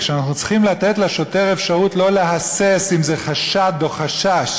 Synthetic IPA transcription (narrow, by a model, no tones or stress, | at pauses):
ʃanaχnut͡si̥χimlat̪e̞tleʃo̞te̞ʁe̞fʃaʁutlo̞leɦasesimze̞χaʃad̪o̞χaʃaʃ